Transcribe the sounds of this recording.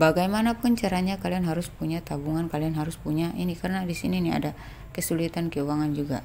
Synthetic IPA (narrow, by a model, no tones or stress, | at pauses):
baɡajmanapʊnt͡ʃaɾaɲakalianɦaɾʊspuɲat̪abuŋankalianɦaɾʊspuɲaʔinikarənadisḭninia̰da | kəsulit̪ankəuwaŋand͡ʒuɡa̰